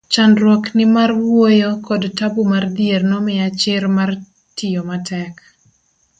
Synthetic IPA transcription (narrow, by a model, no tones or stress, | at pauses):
t͡ʃanɾwɔknɪmarwwojokɔdtabumard̪ɪernɔmɪat͡ʃɪrmar | tɪjomatʰɛk